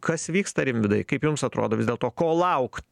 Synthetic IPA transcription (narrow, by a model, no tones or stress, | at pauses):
kɐsʋʲiːkst̪ɐɾʲɪmʲʋʲɪd̪ɐɪkɐɪpjʊmsɐt̪ɾo̰ːd̪oːʋʲɪzd̪ʲeɛlˠt̪oːkoːlˠɐʊkt̪